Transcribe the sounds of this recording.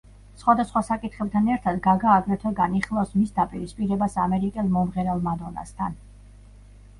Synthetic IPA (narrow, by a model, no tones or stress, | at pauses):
sχwad̪asχwasakʼit̪ʰχɛb̚t̪ʰanɛɾt̪ʰad̪ɡaɡaːɡɾɛt̪ʰɛɡaniχlˠasmisd̪apʼiɾispʼiɾɛbasamɛɾikʼɛlˠmɔmʁɛɾalˠmad̪ɔna̰st̪ʰan